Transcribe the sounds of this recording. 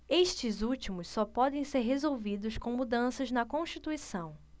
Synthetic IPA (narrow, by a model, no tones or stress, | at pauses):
eʃt͡ʃɪzut͡ʃimʊssɔpɔd̪ẽj̃seɾɦezowvid̪ʊskõw̃mud̪ɐ̃sɐznɐkõʃt͡ʃit̪uisɐ̃w̃